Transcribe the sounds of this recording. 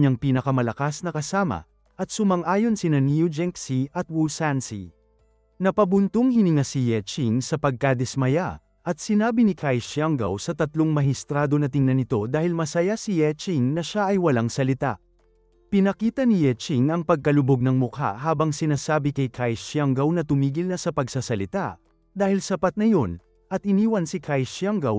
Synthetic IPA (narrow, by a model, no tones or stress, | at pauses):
ɲɐŋpiːnɐkɐmɐlɐkasnɐkɐsaːmɐ̰ | ʔɐt̪̚sʊmɐŋʔaːjo̞nsɪnɐnijud͡ʒɛŋksiʔɐt̪̚wulsansḭ | nɐpɐbʊnt̪oŋhɪnɪŋasijɛt͡ʃiŋsɐpɐɡ̚kɐd̪ɛsmɐja | ʔɐt̪sɪnaːbinikʰajʃjaŋɡɐ̰wsɐt̪ɐt̪loŋmɐɦɪst̪ɾaːd̪o̞nɐt̪ɪŋnɐnɪt̪o̞d̪aːhɪlmɐsɐjasijɛt͡ʃiŋnɐʃaʔɐjwɐlaŋsɐlɪt̪a̰ʔ | pɪnɐkiːt̪ɐnijɛt͡ʃiŋɐŋpɐɡ̚kɐlʊboɡ̚nɐŋmʊka̰ʔhaːbɐŋsɪnaːsaːbikɐjkʰajʃjaŋɡɐwnɐt̪ʊmiːɡɪlnɐsɐpɐɡsasɐlɪt̪a̰ʔ | d̪aːhɪlsɐpat̪̚nɐjo̞n | ʔɐt̪̚ʔɪniːwɐnsikʰajʃjaŋɡɐw